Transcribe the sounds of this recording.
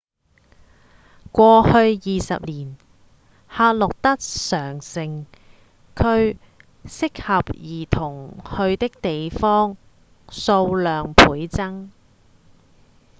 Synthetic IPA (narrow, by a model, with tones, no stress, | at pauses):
kʷɔː˧hɵ˧ɥjiː˨sɐ̰˨p̚liː˨˩n | haː˧t̚lʊ˨k̚t̪ɐ˥k̚sœː˨˩ŋsɪ˨ŋ | kʰɵ˧ɥ | sɪ˥k̚hɐ˨p̚jiː˨˩t̪ʰʊ˨˩ŋhɵ˧ɥt̪ɪ˥k̚t̪e˨jfɔː˥ŋ | so˧wlœː˨ŋpʰuː˨˥jt͡sɐ˥ŋ